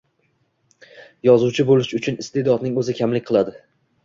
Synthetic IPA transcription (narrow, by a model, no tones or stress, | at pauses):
jɒzuwt͡ʃʰɪbolɪʃʊt͡ʃʰʊnɪst̪ʰe̞d̪ɒd̪nɪŋɵzɪkʲʰamlɪkʲqʰɨlˠad̪ɪ